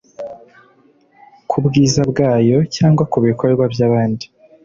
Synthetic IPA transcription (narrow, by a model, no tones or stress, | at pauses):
kʰubɡiːzabɡaːjo̞caːŋɡwakuβikʰo̞ɾe̞ɾɡwabjaːβaːndi̥